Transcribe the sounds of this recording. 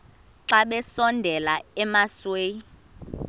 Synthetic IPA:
ǁaɓɛsɔndʱɛlaɛmasweː

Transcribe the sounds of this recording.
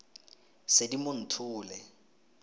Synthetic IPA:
sedimʊn̩tʰʊːlɛ

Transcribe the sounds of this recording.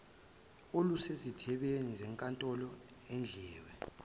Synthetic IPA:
olusezitʰɛɓenizɛŋkʼantʼɔlɔ | end͡ɮʱɛːwɛ

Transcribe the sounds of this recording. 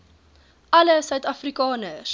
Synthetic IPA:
ʔɐləsœɥtɐfrikɑːnəs

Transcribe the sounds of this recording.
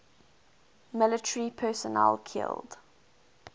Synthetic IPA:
mɪlɪtʰəɹipʰɜːsɔnɛ̰lkʰɪ̰lˠd̥

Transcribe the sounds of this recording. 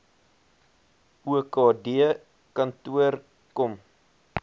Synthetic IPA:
uəkɑːdiə | kɐntuər | kɔm

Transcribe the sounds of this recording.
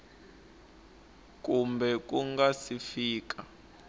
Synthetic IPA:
kumbɛk̬ʼuŋɡasifiːk̬ʼa

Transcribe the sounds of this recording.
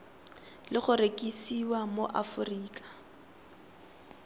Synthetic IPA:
lɪχʊrekʼisiwamoʔafʊriːkʼḁ

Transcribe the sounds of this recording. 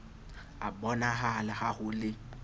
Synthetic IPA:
abɔnaɦalahahʊlɪ

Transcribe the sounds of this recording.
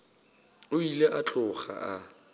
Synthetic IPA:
ʊileʔat͡ɬʼʊχa̰ʔa

